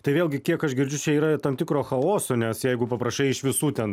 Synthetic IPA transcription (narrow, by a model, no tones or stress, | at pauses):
t̪ɐɪʋʲeːlˠʲɡʲɪkʲiɛkɐʃɡʲɪɾʲd͡ʒʲʊt͡ʃʲɛiːɾɐt̪ɐmt̪ʲɪkɾoːxɐoːsʲoːnʲɛsjɛɪɡʊpɐpɾɐʃɐɪɪʃʋʲɪsuːt̪ʲɛn